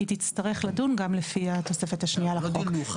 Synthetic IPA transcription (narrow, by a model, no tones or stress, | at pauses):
t̪it͡staʁe̞χladunɡamlefiat̪o̞se̞fethaʃnialaok